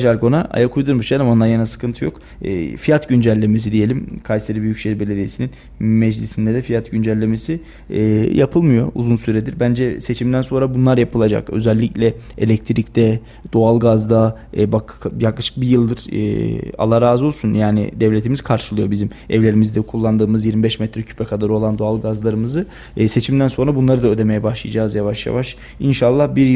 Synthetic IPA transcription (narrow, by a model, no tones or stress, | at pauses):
ʒaɾɡo̞naʔa̰jakʰujd̪uɾmuʃnamo̞nlaɾjanasɯ̥kʰɯnt̪ʰɯjo̞kː | fijat̪ɟynd͡ʒælʲːemes̬id̪ije̞lʲimkʰajseɾibyjycʃeɾbe̞lʲed̪ijesinin | mɛd͡ʒlʲisind̪ɛd̪ɛfijat̪ɟynd͡ʒælʲːe̞me̞si | japʰɯlˠmɯjo̞ṵzunsyɾɛd̪iɾbænd͡ʒɛse̞t͡ʃʰimd̪ænso̞nɾabunlˠaɾjapʰɯlˠad͡ʒa̰kø̞̰zælʲːiclʲɛelʲɛc̚t̪ʰɾict̪ɛ | d̪̥o̞alˠɡazd̪a | bakʰjaklˠaʃɯ̥k̚bijɯlˠd̪ɯɾ̰a̰lˠaɾazo̞lˠsunjaːnɪ̰d̪ɛvlʲet̪ʰimiz̥kʰaɾʃɯlˠɯjo̞bizim | ɛvlʲe̞ɾimizd̪ɛkʰulˠːand̪ɯːmɯzjiɾmibɛʃmɛt̪ʰɾɛcʰy̥pʰɛkʰad̪aɾo̞lˠand̪o̞alˠɡazlˠaɾɯmɯzɯ | se̞t͡ʃʰimd̪ænso̞nɾabunlˠaɾɯd̪aød̪e̞me̞jɛbaʃlˠɯjad͡ʒaːzjavaʃja̰vaʃ | inʃalˠːahbiɾj